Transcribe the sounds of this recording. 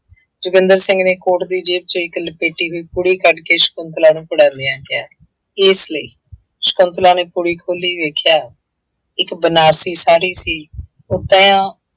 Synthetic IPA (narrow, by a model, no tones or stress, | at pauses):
d͡ʒʊɡənd̪əɾsɪ̃ŋɡneːkoːʈd̪iːd͡ʒeːb̚t͡ʃəɪklpeːʈiːɦoːiːpuːɽiːkəɖkeːʃə̥kʊnt̪laːnũːpəɽãːnd̪ijãːkɪjaː | ɪsləḭː | ʃə̥kʊnt̪laːneːpuːɽiːkʰoːliːʋeːkʰjaː | ɪkbənaːɾsiːsaːɽiːsiː | ʊt̪ãːjãː